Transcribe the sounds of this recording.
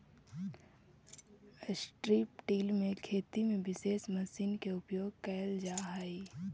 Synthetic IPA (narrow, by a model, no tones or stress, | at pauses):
sʈɾiːpʈiːlmẽkʰeːt̪imẽʋɪseːʃmɐsiːnkeʊpjoːɡkɛːld͡ʒaːɦai